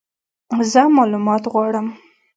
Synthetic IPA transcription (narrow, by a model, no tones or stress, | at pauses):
zəmɑlumɑt̪ɣwɑɽəm